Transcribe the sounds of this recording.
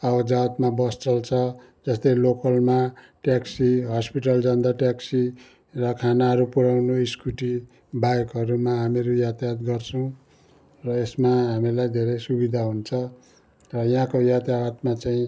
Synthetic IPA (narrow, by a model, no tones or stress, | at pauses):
ʌbʌd͡zat̪mabʌst͡sʌlt͡sʰʌ | d͡zʌst̪ʌjlokʌlma | ʈjaksiɦʌspiʈʌld͡zʌnd̪aʈjaksi | rʌkʰanaɦʌɾupuɾawnoiskuʈi | bajkɦʌɾumaɦamiɾujat̪jat̪ɡʌrt͡sʰʌw̃ | rʌesmaɦamilajd̪ʱeɾejsubid̪ʱaɦunt͡sʰʌ | rʌjɦãkojat̪jat̪mat͡saĩ